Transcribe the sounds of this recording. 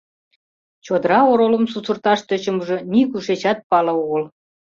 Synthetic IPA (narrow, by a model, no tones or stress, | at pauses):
t͡ɕod̪əɾɑoɾolə̆msut͡sərt̪ɑʃt̪ø̆t͡ɕə̆məʒɤ̆nikuʃet͡ɕɑt̪̚pɑlɤuɣəl